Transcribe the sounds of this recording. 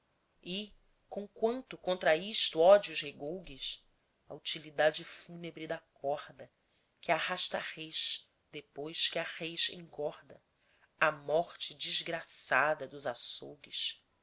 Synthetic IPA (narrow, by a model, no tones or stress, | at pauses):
ɪ | kõwkwɐ̃nt̪ʊkõnt̪ɾɐiʃt̪ʊɔd͡ʒuzheɡowɡɪs | ɐut͡ʃilid̪ad͡ʒɪfunebɾɪd̪ɐkʰɔɾd̪ɐ | kɪahaʃt̪ɐʁejʃ | d̪epojʃkɪɐʁejʃḛ̃ŋɡɔɾd̪ɐ | ɐmɔχt͡ʃɪd͡ʒizɡɾasad̪ɐd̪ʊzasowɡiʃ